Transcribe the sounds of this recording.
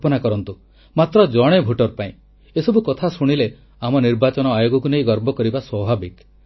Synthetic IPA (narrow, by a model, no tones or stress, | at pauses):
pɔnakɔɾɔnt̪u | mat̪ɾɔd͡ʒɔɽ̃ebʱuʈɔɾpaĩ | esɔbukɔt̪ʰasuɽ̃ile | amɔniɾbat͡ʃɔñɔajoɡɔkunejɡɔɾbɔkɔɾibaswɔbʱabik